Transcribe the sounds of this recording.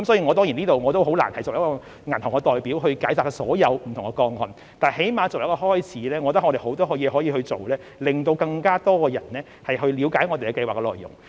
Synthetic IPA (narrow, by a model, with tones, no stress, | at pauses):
kɐ˦msɔː˨˧˥iː˧ŋɔː˨˧t̪ɔ˥ŋji˨˩niː˥t̪o˨wŋɔː˨˧t̪o˥wɦo˨˥wla̰ː˨˩nhɐ˨jɔː˨˩jɐ˥kɔː˧ | ŋɐ˨˩nt̪ʰʊ˨˩ŋkɛ˧t̪ɔː˨˩jpiː˨˥wɦɵ˧ɥkaː˨˥jsaː˨t̪ɐ˥ksɔ̰ː˨˥jɐ˨˧wm̩˨˩t̪ʰʊ˨˩ŋkɛ˧kɔː˧ŋɔ̰ː˨n | t̪aː˨˩ɦe˨˥jmaː˨˧t͡so˨wjɐ˥kɔː˧hɔː˥jt͡sʰiː˨˥lɛː˥ŋɔː˨˧˨t̪ɐ˥ŋɔ˧ɾe˨jho˨˥wt̪ɔː˥ɦɔː˨˧˩jɛː˨˧hɔː˨˥jiː˨˧hɵ˧ɥt͡so˨wlɛː˥ | lɪ˨˩ŋt̪o˧wkɐ˧ŋkaː˥t̪ɔː˥kɔː˧jɐ̰˨˩nlɛː˥ | hɐ˨jɦɵ˧ɥliː˨˧˥wkaː˨˥jŋɔː˨˧t̪e˨jkɛ˧˥kɐ˧jwaː˨k̚ːɛ˧lɔ̰ː˨jːʊ̰˨˩ŋ